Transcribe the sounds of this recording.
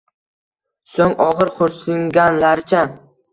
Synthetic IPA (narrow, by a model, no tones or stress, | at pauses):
soŋɒʁɨɾqʊɾslɪŋɡʲanlaɾɪt͡ʃʰa